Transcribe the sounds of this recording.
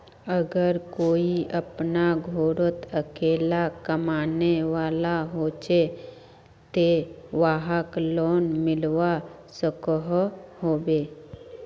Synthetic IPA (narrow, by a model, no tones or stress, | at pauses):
əɡəɾkoːiʔɐpnaɡʱoːɾət̪əkeːlakəmaːneʋaːlaɦoːt͡ʃe | t̪eʋaːɦəkloːnmɪlwa | səkəɦhoːbeː